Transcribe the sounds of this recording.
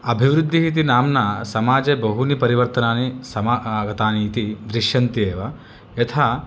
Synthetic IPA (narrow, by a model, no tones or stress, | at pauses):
ɐbʱiʋɾud̪ʱːiɦit̪̬inaːmnɐsɐmaːd͡ʒebɐɦunipɐɾiʋɐɾt̪ɐnaːnisɐmaɡɐt̪aːnit̪id̪ɾiʃjɐnt̪eːʋɐ | jɐt̪ʰaː